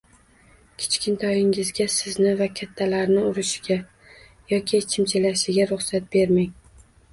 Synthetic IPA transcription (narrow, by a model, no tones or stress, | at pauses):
kʲʰe̥t͡ʃkʲʰɪnt̪ʰɒjɪŋɪzɡʲasɪznɪvakʲʰat̪ʰːalaɾnɪʊɾɪʃɪɡʲa | jɒkʲʰɪt͡ʃʰɪmt͡ʃʰɪlaʃɪɡʲaɾʊχsat̪̚be̞ɾmɪŋ